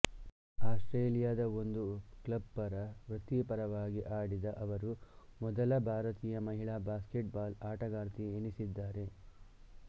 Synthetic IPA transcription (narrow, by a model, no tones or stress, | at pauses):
aːsʈɾeːlijaːd̪ɐo̞nd̪uklɐb̚pɐɾɐʋɾut̪ːipɐɾɐʋaːɡiʔaːɽid̪ɐʔɐʋɐɾumɔd̪ɐlɐbʱaːɾɐt̪iːjɐmɐɦiɭabaːskeʈbaːlaːʈɐɡaːɾt̪ienisid̪ːaːɾe̞